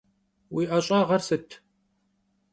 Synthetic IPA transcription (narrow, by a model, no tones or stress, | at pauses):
wiːʔɐɕʼɑːʁɐrsɨtʰ